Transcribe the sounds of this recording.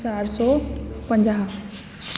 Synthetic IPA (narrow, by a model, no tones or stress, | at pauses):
saɾaɾsɔpə̃ɲd͡ʑaːɦ